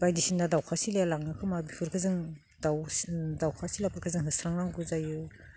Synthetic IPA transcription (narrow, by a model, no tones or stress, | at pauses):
bajdisindadawkʰasilajalaŋnɯkʰɯmabipʰɯɾkʰɯzɯŋ | dawdawkʰasilapʰɯɾkʰɯzɯŋɦɯsɾaŋnaŋɡuzajɯ